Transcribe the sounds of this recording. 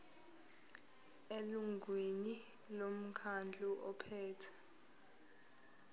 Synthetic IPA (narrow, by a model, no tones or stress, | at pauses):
eluŋɡʱwenilom̩kʰand͡ɮʱuʔɔpʰɛːtʰḁ